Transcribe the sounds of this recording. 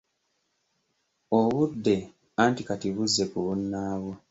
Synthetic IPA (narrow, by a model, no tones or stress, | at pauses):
o̞βudːe̞ | antikatiβuzːe̞kuβunːaːβo